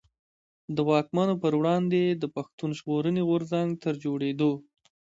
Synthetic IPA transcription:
d̪əwɑkmanopəɾwɽɑnd̪ed̪əpaxt̪unʒɣoɾəneɣʊɾzaŋɡt̪əɾd͡ʒoɽed̪o

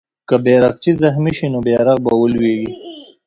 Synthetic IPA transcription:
kabeɾaqt͡ʃizaxmiʃinobeɾaqbawəlweɡi

